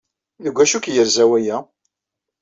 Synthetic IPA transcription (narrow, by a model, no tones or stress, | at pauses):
ðəɡʷːæʃukjəɾzæwæjæ